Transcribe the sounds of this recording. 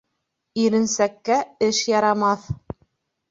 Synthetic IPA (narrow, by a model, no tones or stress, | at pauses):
iɾɘ̆nsækːæɘʃjɑɾɑmɑθ